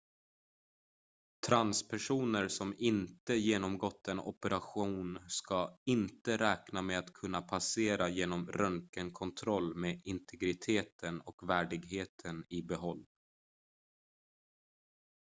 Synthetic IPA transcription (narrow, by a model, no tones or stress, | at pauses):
t̪ʰɾanspʰæʂuːnəɾsɔmɪnt̪əjeːnɔmɡɔt̪ːɛnɔ̰pəɾaɧuːnskaɪnt̪əɾɛːknameat̪kʰɵnːapʰaseːɾajeːnɔmɾœŋkənkʰɔnt̪ʰɾɔlːmeːɪnt̪ʰɛɡɾɪt̪ʰeːt̪ʰənɔkvæːɖɪɡɦeːt̪ʰənɪbɛɦɔlː